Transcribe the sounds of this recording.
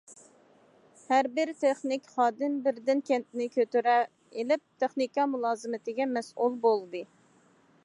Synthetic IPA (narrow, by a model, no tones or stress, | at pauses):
hæɾbɪɾt̪ʰeχnɪkʲχɑːd̪ɪmbɪɾd̪ɪnkʲʰɛnt̪̚nɪkʲøt̪yɾɛ | elɪp̚t̪ʰeχnikɑmulˠɑːzɨmɪt̪ɪɡʲɛmɛsṵlˠbolˠd̪ɨ